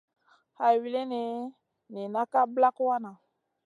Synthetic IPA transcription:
ha˨wi˦le˦ne˨ | ni˨na˦ka˦bla˦ku˦wa˦nã˨

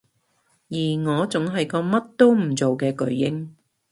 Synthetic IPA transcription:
jiː˨˩ŋɔː˨˧t͡sʊ˨˥ŋɦɐ˨jkɔː˧mɐ˥t̚t̪o˥wm̩˨˩t͡so˨wkɛː˧kɵ˨˥ɥːɪ˥ŋ

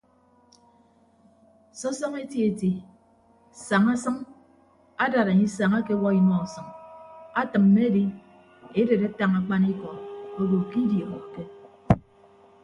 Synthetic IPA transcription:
sɔ˦sɔ˦ŋe˦ti˦e˨ti˨ | sa˨ŋa˦sʌ˦ŋ | a˦da˨ɾa˨ɲi˦sa˨ŋa˦ke˦wɔ˦i˦mɔ˨sʌ˨ŋa˦tɨ˨mːe˦di˦ | e˦de˨ɾe˦ta˦ŋa˨k͡pa˦ni˦kɔ˨o˦ɡo˨ki˦dje˨mɔ˨ke˦

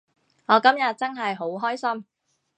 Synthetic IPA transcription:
ŋɔː˨˧kɐ˥mjɐ˨t̚t͡sɐ˥nɦɐ˨jɦo˨˥wɦɔː˥jsɐ˥m

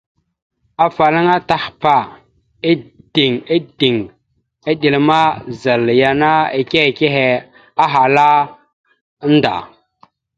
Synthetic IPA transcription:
a˨fa˨la˦ŋa˦ta˦hpa˨ | e˦d̥i˨ŋe˦di˨ŋ | e˦ɗi˨lma˦za˨lja˨na˦e˨ke˦he˨ke˦ɦe˨ | a˦ɦa˨la˦ | n˦da̰˨

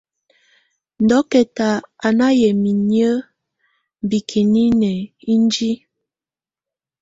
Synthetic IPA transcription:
n̩˨dɔ˨˦kɛ˨ta˨a˨na˦jɛ˨mi˨njə˦˨ | bi˨kʰi˨ni˦nɛ˨i˦n˦d͡ʒi˦

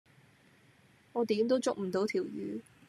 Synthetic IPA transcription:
ɔː˨˧t̪iː˨˥mt̪o˥wt͡sʊ˨k̚m̩˨˩t̪o˨˧˥wt̪ʰiː˨˩wjyː˨˥

